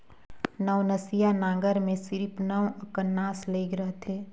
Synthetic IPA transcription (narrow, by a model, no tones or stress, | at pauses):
nəʋnəsijanãːɡəɾmẽsɪɾpʰnəʋəkənːaːsleːɡɾəɦt̪ʰeː